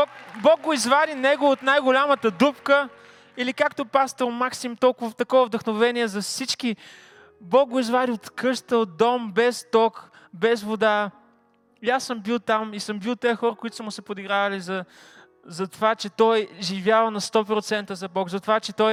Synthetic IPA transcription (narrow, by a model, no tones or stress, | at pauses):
bɔkbɔɡ̚ɡoizvad̪inɛɡoːt̪najɡolʲamət̪əd̪upkə | ilikakt̪opast̪oɾmaksimt̪ɔlˠkʊvət̪ɐkɔvəvd̪əxnovɛniɛzɐfsit͡ʃki | bɔɡ̚ɡoizvad̪iot̪kɤʃt̪əod̪ɔmbɛst̪ɔk | bɛzvod̪a | iasːəmbilˠt̪amisəmbilˠt̪ɛɛxɔɾəkoʊit̪ʊ̥səmʊsɛpod̪iɡɾavɐlizɐ | zɐt̪ovat͡ʃɛt̪ɔjʒivʲjavɐnɐst̪ɔpɾot̪sɛnt̪əzɐbɔkzɐt̪ovat͡ʃɛt̪ɔj